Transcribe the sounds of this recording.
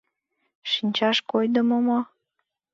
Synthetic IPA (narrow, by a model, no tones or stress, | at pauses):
ʃinʲt͡ɕɑʃkojd̪əmomo